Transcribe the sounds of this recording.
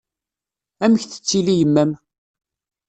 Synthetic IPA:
æməçθə̥t͡sːilijəmːæm

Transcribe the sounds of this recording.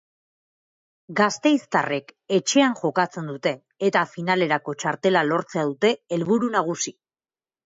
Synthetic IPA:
ɡast̪e̞jst̪are̞ke̞t͡ʃe̞anʝo̞kat͡se̞nd̪ut̪e̞ːt̪afinale̞ɾako̞t͡ʃaɾt̪e̞lalo̞ɾt͡se̞aðut̪e̞elβuɾunaɣ̞usi

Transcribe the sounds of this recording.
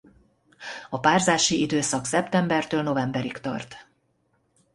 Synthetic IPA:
ɒpaːrzaːʃiid̪øːsɒksɛpt̪ɛmbɛrt̪øːlno̞vɛmbɛɾikt̪ɒ̰rt̪

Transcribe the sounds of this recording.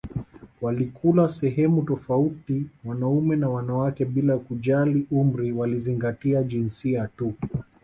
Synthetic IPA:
walikʰulasɛɦɛmutɔfautiwanaumɛnawanawakɛɓilakuʄaliʔum̩ɾiwaliziŋɡatiaʄinsiatu

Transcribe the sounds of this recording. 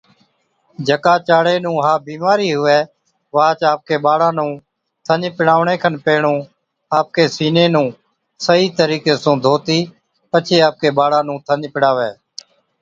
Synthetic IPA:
d͡ʒəkaːt͡ʃaːɽeːnũːɦaːbiːmaːɾiːɦʊʋɛː | ʋaːt͡ʃaːp̚keːɓaːɽãːnũː | t̪ʰəɲpɪɽaːʋɳẽːkʰənpeːɳũː | aːp̚keːsiːneːnũː | səɦiːt̪əɾiːkeːsõːd̪ʱoːt̪iː | pət͡ʃʰeːaːp̚keːɓaːɽãːnũːt̪ʰəɲpɪɽaːʋeː

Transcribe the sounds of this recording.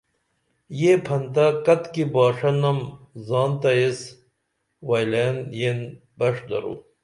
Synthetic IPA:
jepʰɐnt̪ɐkɐt̪kibaːʂɐnɐmzɑːnt̪ɐes | wɐjleːnjen | bɐʂd̪ɐ̰ɾṵː

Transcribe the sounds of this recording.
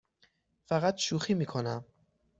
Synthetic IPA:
fæɣæt̪ʃuːxiːmiːkʰonæm

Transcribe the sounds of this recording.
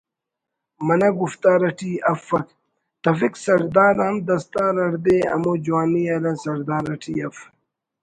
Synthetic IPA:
mɐnɐɡuft̪aːɾɐʈʰiːɐfːɐk | t̪ɐfiksɐɾd̪aːɾɐːmd̪ɐst̪aːɾɐʈd̪eɐ̰mod͡ʑuwaːniɐlɐnsɐɾd̪aːɾɐʈʰiɐf

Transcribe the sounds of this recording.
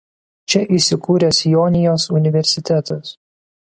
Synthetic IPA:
t͡ʃʲɛʔiˑsʲɪkuːɾʲɛsʲjɔːnʲɪjoːsʊnʲɪʋʲɛɾʲsʲɪt̪ʲæt̪ɐs

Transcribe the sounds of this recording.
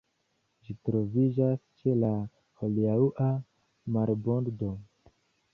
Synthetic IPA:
d͡ʒitɾo̞vid͡ʒast͡ʃe̞la | holiauʔa | maɾbonddo̞

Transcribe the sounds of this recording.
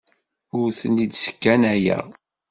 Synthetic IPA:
ʊɾθənid̪sə̥kːænæjæ̰

